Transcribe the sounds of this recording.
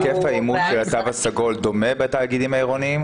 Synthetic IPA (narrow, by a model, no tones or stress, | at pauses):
kefaimudʃelat̪avasaɡo̞ld̪o̞mebet̪aːɡid̪imhaiʁo̞niim